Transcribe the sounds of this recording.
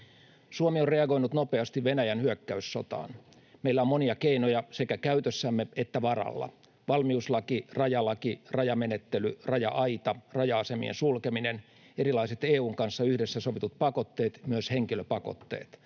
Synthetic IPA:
suomiorreɑɡoinut̪nopeɑst̪iʋʋenæjænhyøkːæysːo̰t̪ɑ̰ːn | meilːæommoniɑkeinojɑsekækæyt̪øsːæmːeet̪ːæʋɑrɑ̰lːɑ̰ | ʋɑlmiuslɑkirɑjɑlɑkirɑjɑmenet̪ːelyrɑjɑ̰ʔɑjt̪ɑrɑjɑɑsemḭḛnsulkeminen | eɾilɑiset̪eːuːŋkɑnsːɑyhdesːæsoʋit̪ut̪̚pɑkot̪ːeːt̪myøsheŋkiløpɑko̰t̪ːḛːt̪

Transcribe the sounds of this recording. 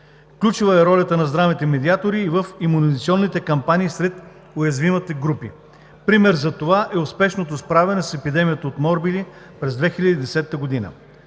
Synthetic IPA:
fklʲut͡ʃuvɐɛɾɔlʲɐt̪ənɐzd̪ɾavit̪ɛmɛd̪iat̪oɾiːvəfimunizit̪siɔnːit̪ɛkɐmpaniːsɾɛt̪ | ojɐzvimɐt̪ɛɡɾupi | pɾimɛɾzɐt̪ovaʔɛospɛʃnot̪ospɾavʲɛnɛsɛpid̪ɛmijət̪əot̪mɔɾbili | pɾɛzd̪vɛxilʲəd̪id̪ɛsɛt̪ːəɡod̪inə̰

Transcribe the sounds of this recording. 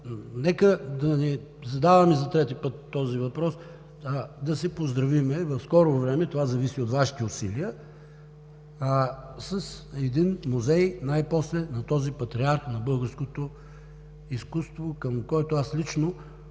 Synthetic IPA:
nɛkəd̪ɐnizɐd̪avɐmizɐt̪ɾɛt̪ipɤt̪ːɔzivɐpɾɔs | d̪ɐsɛpozd̪ɾɐvimɛvɐfskɔɾovɾɛmɛt̪ovazɐvisiot̪vaʃi̥t̪ɛʊsiliə | sɐsɛd̪inmuzɛjnajpɔslɛnɐt̪ɔzipɐt̪ɾiaɾxnɐbɤlˠɡəɾskot̪o | iskust̪vokəmkɔɛt̪oaslit͡ʃno

